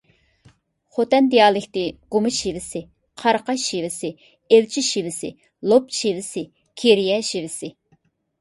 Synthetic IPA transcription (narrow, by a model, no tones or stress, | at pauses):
χot̪ɛnd̪ijɑːlˠɪkʲt̪ɪɡ̥umɨʃivɪsɪ | qʰɑɾqɑʃivɪsɪ | elt͡ʃʰiʃivɪsɪ̰ | lˠopʃivɪsɪ | kʲʰeɾijɛʃivɪsɪ